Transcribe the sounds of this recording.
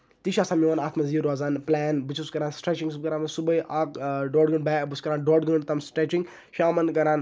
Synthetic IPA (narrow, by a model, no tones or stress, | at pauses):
t̪iʃaːsaːmjoʋɐnaːt̪ʰmɐziːɾoːzaːnplɛːnbɨt͡ʃʰuskɐɾaːnsʈɾet͡ʃiŋɡsub̚kɐɾaːnmɐsubɐjʔaːkɖoːɖɡɨɳɖbaːbɨskɐɾaːnɖoːɖɡəɳt̪ɐmsʈɾet͡ʃiŋɡ | ʃaːmɐnkɐɾaːn